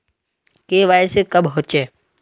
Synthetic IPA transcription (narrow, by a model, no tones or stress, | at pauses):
keːʋaːesekəbɦoːt͡ʃeː